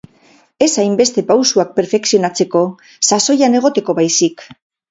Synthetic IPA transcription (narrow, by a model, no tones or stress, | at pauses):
e̞sajmbe̞st̪e̞pawsuak̚pe̞ɾfe̞ksio̞nat͡se̞ko̞ | saso̞jane̞ɣ̞o̞t̪e̞ko̞βajsik